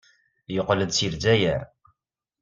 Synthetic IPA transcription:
joqləd̪siɾzæjəɾ

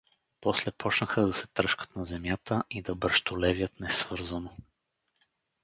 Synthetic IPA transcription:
pɔslɛpʰɔt͡ʃnəxəd̪ɐsɛt̪ɾɤʃkə̥t̪nɐzɛmjat̪əʔid̪ɐbəɾʃt̪olɛvjət̪nɛsv̥ɤɾzɐno

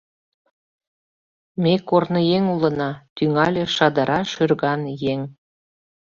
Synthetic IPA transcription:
mekornəjeŋulə̆nɑt̪yŋɑlʲeʃɑd̪əɾʔɑʃørɣɑnjeŋ

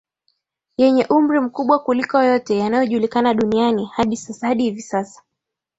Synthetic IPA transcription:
jɛɲɛʔum̩ɾim̩kuɓwakulikɔjɔtɛjanajɔʄulikanaɗunianihaɗisasahaɗihivisasḁ

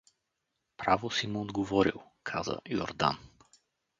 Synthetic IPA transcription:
pɾavosimuod̪ɡovɔɾḭlˠ | kʰazə̰jo̰ɾd̪a̰n

